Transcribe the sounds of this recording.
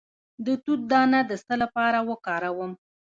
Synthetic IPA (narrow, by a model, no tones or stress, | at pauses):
d̪ət̪ut̪̚d̪ɑnad̪əst̪əlapɑɾawəkɑɾawəm